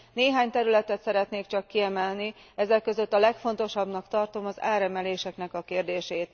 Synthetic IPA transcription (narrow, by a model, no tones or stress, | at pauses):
neːɦaːɲt̪ɛɾylɛt̪ɛt̪sɛɾɛt̪neːkt͡ʃɒkːiɛmɛlniɛzɛkːøzø̞t̪ːɒlɛkfo̞n̪t̪o̞ʃɒbnɒkt̪ɒrt̪o̞mɒza̰ːɾɛmɛleːʃɛknɛkɒkeːrd̪eːʃeːt̪